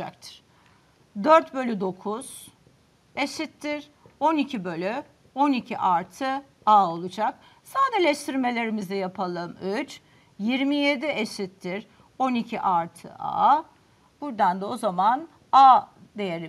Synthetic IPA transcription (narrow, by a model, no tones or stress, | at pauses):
ak̚t̪ʰɯ̥ɾ̥ | d̪øɾt̪bø̞lʲyd̪o̞kʰuz̥ | eʃit̪ːiɾ̥ | o̞nicʰibø̞lʲy | o̞nicʰiʔaɾt̪ʰɯ | aːo̞lˠud͡ʒak̚ | saːd̪ɛlʲɛʃt̪ʰiɾme̞lʲe̞ɾimizɛjapʰalˠɯmyt͡ʃ | jiɾmije̞d̪ieʃit̪ʰːiɾ | o̞nicʰiʔaɾt̪ʰɯ̰ʔa̰ː | b̥uɾd̪and̪ɛo̞zaman | ad̪e̞jeɾi